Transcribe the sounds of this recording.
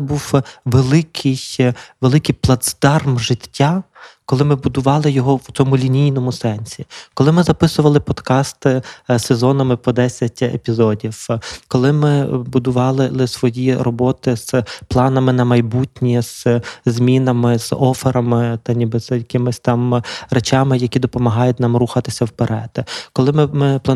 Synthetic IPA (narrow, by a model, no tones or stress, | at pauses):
buwʋelˠɪkʰɪjʋelˠɪkɪjplˠɐd̪sd̪̥ɑrmʒɪtʲːakɔlˠɪmɪbʊd̪ʊʋɑlˠɪjɔɦɔw̪ʲɔmʊlʲinʲijnɔmʊsɛnʲsʲikɔlˠɪmɪzɐpɪsʊʋɐlˠɪpɔd̪kɑst̪ɪsezɔnɐmɪpɔd̪ɛsʲɐtʲḛpʲizɔdʲiwkɔlˠɪmɪbʊd̪ʊʋɑlˠɪlˠɪsʋɔjirɔbɔt̪ɪz̥plˠɑnɐmɪnɐmɐjbutʲnʲiz̥zʲmʲinɐmɪz̥ɔfeɾɐmɪt̪ɐnʲibɪz̥jɐjɐkɪmɪsʲt̪ɑmret͡ʃɑmɪjɐkʲid̪ɔpɔmɐɦɑjʊtʲnɑmruxɐt̪ɪsʲɐwpeɾʔɛd̪̥kɔlˠɪmɪmɪp̪ˠɐ